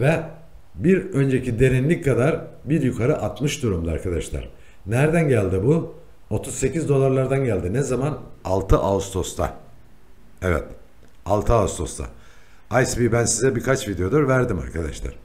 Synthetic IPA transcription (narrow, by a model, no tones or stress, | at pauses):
vɛ | biɾø̞nd͡ʒecʰid̪e̞ɾinlʲickʰːad̪aɾbiɾjukʰaɾɯʔat̪mɯʃd̪uɾumd̪uaɾkʰad̪aʃlˠa̰ɾ̥ | næɾd̪ænɟælʲd̪ibu | o̞t̪ʰuzse̞cizd̪o̞lˠaɾlˠaɾd̪anɟælʲd̪inɛzamanalˠt̪ʰɯʔaust̪ʰo̞st̪ʰa̰ | ɛvɛ̰t̪ | alˠt̪ʰɯaust̪ʰo̞̰st̪ʰa̰ | ajsbibænsizɛbikʰat͡ʃvid̪eod̪uɾvæɾd̪ima̰ɾkʰad̪a̰ʃlˠa̰ɾ̥